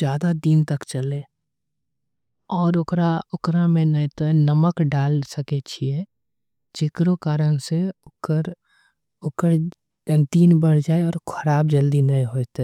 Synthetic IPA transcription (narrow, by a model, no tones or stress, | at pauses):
d͡ʒjaːd̪ad̪iːnt̪əkt͡ʃəlẽ | ɔːɾʊkɾaʊkɾamẽnət̪oɦɛnəməkɖaːlsəket͡ʃʰie | t͡ʃɪkɾokaːɾənseəɾ | ʊkəɾ | d̪iːnbəɽ̤d͡ʒaːeɔːɾkʰəɾaːbd͡ʒəld̪inəeɦoːt̪